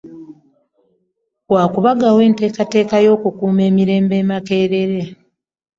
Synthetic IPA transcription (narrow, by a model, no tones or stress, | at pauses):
waːkuβaɡawe̞ːnte̞ːkate̞ːkajo̞ːkukuːme̞ːmiɾe̞ːmbe̞ːmake̞ːɾe̞ɾe